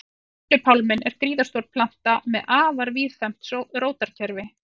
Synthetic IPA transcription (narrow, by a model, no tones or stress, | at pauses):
ʏpʰawlmɪnɛɾ̥kɾiːðaɾ̥st̪ɔɾ̚pʰlan̥t̪amɛðʔaːvaɾviːðfɛm̥t̪sɔɾoːwt̪aɾ̥cʰɛɾvɪ